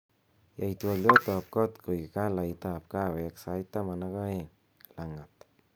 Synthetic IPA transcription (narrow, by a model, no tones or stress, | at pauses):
jajt̪ualot̪ɔp̚kɔt̪kojkalajt̪aːpkaweksajt̪amanakaeŋ | laŋat̪